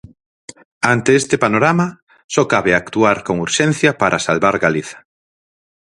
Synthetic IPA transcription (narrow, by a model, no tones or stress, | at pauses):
ant̪eest̪epanoɾama | sɔkaβeakt̪uaɾkoŋuɾʃɛn̟θjapaɾʔasalβaɾɣaliθɐ̥